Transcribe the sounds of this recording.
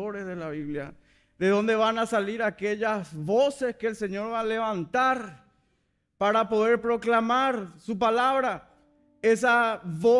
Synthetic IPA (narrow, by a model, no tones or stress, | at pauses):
oɾesðelaβiβlja̰ | ðe̞ðõ̞nd̪eβanasaliɾakeʎasβose̞skeːlse̞ɲo̞ɾβale̞βãnt̪aɾ | paɾapo̞ðe̞ɾpɾo̞klamaɾsupalaβɾa | es̬aβo